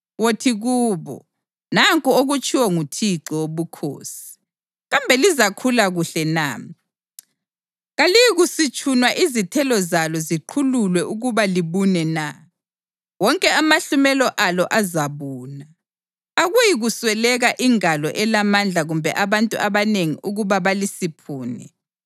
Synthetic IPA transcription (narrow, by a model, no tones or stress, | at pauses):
wotʰiɣuːβɔ̰ | naŋkʼɔoɣut͡ʃʼʰiwɔŋutʰiǁɔwoβukʰo̰ːsi̥ | ɣambʱɛlizakʰulaɣuɬɛna̰ː | ɣalijiɣusit͡ʃʼʰunwaʔizitʰɛlɔzalɔziǃʰululwɛʔuɣuβaliβunɛna | wɔŋkʼɛamaɬumɛlɔʔalɔʔazaβuːnaː | ɣujiɣuswɛlɛɣaʔiŋalɔ̰ʔɛlamand͡ɮʱaɣumbʱɛʔaβantʼuʔaβaneŋḭʔuɣuβaβalisipʰuːnɛ̰